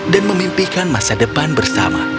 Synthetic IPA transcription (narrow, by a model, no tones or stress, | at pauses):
danməmimpikanmasadəpanbərsa̰ma̰